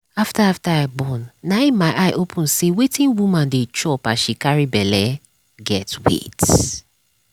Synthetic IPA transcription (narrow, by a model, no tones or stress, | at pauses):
aftaaftaaɪbɔ̃nːaɪmaɪʔaɪʔopʰũnsewetʰĩnwumãndet͡ʃɔpaʃikaɹibɛlɛ | ɡɛtwḛt